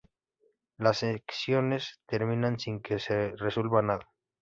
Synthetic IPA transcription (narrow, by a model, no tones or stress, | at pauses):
laseksjo̞ne̞st̪e̞ɾmĩnansiŋke̞sereswelβanaða